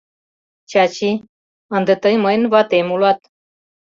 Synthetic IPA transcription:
t͡ɕat͡ɕi | ənd̪ət̪əjməjnvat̪emulwat̪

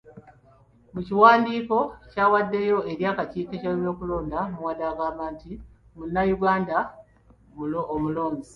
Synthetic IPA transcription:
muciwaːndiːko̞caːwadːe̞jo̞ʔe̞ɾjaːkaciːkeceweβjo̞ːkulo̞ːndamuwadaːɡaːmaːnti | munːajuɡaːnda | omulo̞ːɲzi

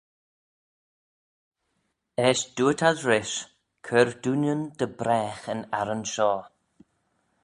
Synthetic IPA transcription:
ɛːʃd̪̥uːət̪ʰazɹɪʃ | kʰəɹd̪unjənd̪̥əbɾɛːxənaɾənʃɔː

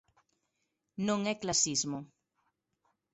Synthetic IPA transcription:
nõŋɛklasizmʊ

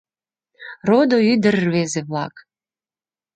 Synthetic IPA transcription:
rod̪oyd̪ərβezeβlˠɑk

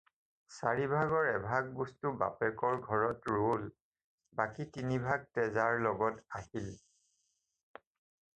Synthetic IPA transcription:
saɹibʱaɡɔɹɛbʱaɡ̚bɔstuba̰pɛkɔɹɡʱɔɹɔtɹol | bakitinibʱaɡ̚tɛzaɹlɔɡɔtahil

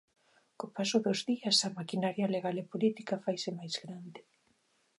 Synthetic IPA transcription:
kopasʊðozðiɐsɐmakinaɾjaleɣalepolit̪ikafajsɪmajzɣɾand̪ɪ

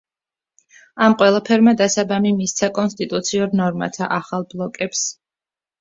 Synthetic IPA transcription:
amqʼwɛlˠapʰɛɾmad̪asabamimist̪sʰakʼɔnst̪ʼit̪ʼut̪sʰiuɾnɔɾma̰t̪ʰa̰ʔaχalˠblˠɔkʼɛps

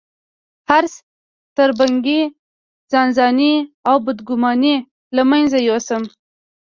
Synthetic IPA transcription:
haɾs | t̪əɾbaŋɡi | zɑnzɑniawbʊd̪ɡʊmɑni | lamanzajosəm

